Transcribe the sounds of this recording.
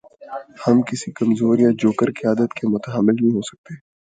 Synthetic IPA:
hɐmkɪsikɐmzoːɾjad͡ʒoːkəɾkijaːd̪ət̪kemʊt̪əɦəmːɪlɦĩɦosɐ̥k̚t̪e

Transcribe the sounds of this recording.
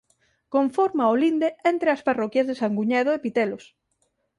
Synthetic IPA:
koɱfoɾmaolind̪eent̪ɾeɐsparɔkjazðesaŋɡuɲɛðoɪpit̪ɛlos

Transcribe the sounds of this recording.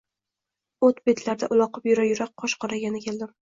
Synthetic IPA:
ot̪bet̪ʰlaɾd̪aʔʊlˠɒqɨpjʊɾajʊɾaq̚qʰːɒʃqʰɒɾaɡʲanɪkʲʰe̞ld̪ɪm

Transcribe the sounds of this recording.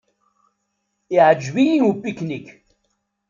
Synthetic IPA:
jad͡ʒwiːnupiknik

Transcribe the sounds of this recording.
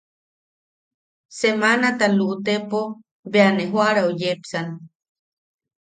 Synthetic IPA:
semanat̪aluʔt̪epo | beaneɦwaɾaojepsana

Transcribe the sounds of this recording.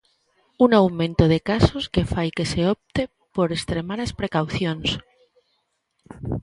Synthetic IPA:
unawmẽnt̪oð̞e̞kaso̞ske̞fajke̞se̞op̚t̪e̞ | po̞ɾe̞st̪ɾe̞maðaspɾe̞kawθjo̞ns

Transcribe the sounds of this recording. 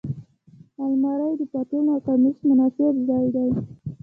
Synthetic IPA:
almɑɾajd̪əpɑt̪enɑkamismʊnɑsɪabzɑjd̪aj

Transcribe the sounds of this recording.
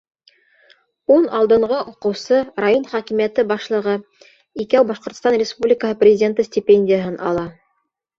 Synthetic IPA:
unɑlˠd̪ɤ̆ɴɢɤʔuqɤ̆wsɤɾajonχækimijæt̪ɘbɑʃlˠɤ̆ʁɤ | ikæwbɑʃqŏɾt̪ə̥̆st̪ɑnɾʲɪspublʲɪkəɦɤprʲɪzʲɪdʲent̪ɤsʲtʲɪpʲenʲdʲɪjəɦɤnʔɑ̰lˠɑ

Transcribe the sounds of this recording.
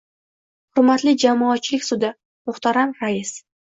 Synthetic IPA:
hʊɾmat̪lɪd͡ʒamɒːt̪t͡ʃʰːɪlɪkʲsʊd̪ɪ | mʊχt̪aɾamɾaɪs

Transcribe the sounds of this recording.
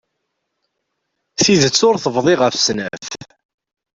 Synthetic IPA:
θiðət͡sːʊɾθəvðˤɪʁəfsnəf

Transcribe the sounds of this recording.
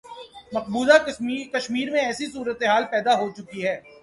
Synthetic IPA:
mɐq̚buːd̪akɐʃmiːɾmẽɛːsisuːɾət̪eɦaːlpɛːd̪aɦot͡ʃʊkiɦɛː

